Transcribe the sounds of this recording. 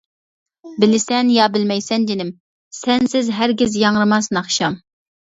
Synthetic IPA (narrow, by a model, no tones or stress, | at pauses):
bɪlɪsɛnjɑbɪlmɛjsɛnd͡ʒɪnɪm | sɛnsɪzɦæɾɡʲɪzjɑŋɾɨmɑsnɑχʃɑm